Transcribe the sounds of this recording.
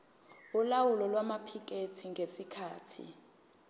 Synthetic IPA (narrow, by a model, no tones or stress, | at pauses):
ulawulɔlwamapʰik̬ʼetʰiŋɡʱesikʰaːtʰḭ